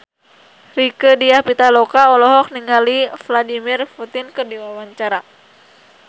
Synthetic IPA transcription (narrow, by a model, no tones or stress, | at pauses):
rikədiahpit̪alɔkaɔlɔɦɔk̚niŋalifladimirfut̪inkərdiwawaɲt͡ʃaɾa